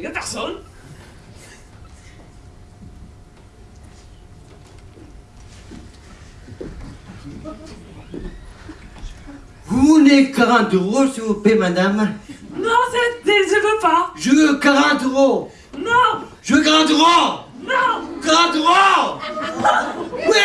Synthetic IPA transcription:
apɛʁsɔn | ɦunekaʁɑ̃t̪øʁosivupemad̪amnɔ̃sɛt̪d̪ezəʁəpaʒəkaʁɑ̃t̪øʁo | nɔ̃ʒəɡʁɑ̃d̪ʁɔ̃nɡʁɑ̃d̪ʁɔ̃ | wi

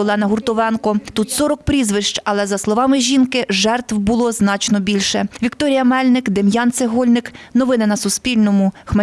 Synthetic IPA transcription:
ɔlˠɛnɐɦurt̪ɔʋɛnkɔt̪ut̪sɔɾɔkpɾʲizʋɪʃt͡ʃɐlˠɛzɐslˠɔʋɑmɪʒʲinkɪʒɛrt̪wbʊlˠɔznɑt͡ʃnɔbʲilʲʃɛʋʲikt̪ɔɾʲijɐmɛlʲnɪkd̪emjɑnt̪seɦɔlʲnɪknɔʋɪnɪnɐsʊspʲilʲnɔmʊxmɛ

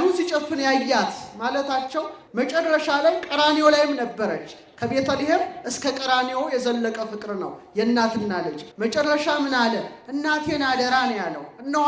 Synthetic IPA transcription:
lhusit͡ʃʼɛfːɨnjajːat̪malət̪at͡ʃːɛw | mət͡ʃʼɛrəʃalajkʼəɾanewolajɪmnəbːəɾət͡ʃː | kʰəβe̞t̪ʰəlɪhemʔɨskʰəkʼəɾanewojɛzəlːəkʼəfɨkʼɾnə̰wjɛnːat̪ɨnːalət͡ʃʼːmət͡ʃʼɛrːəʃamɨnalənʔɨnːat̪ʰjenad̪əɾanjalːə̰wɨnːə

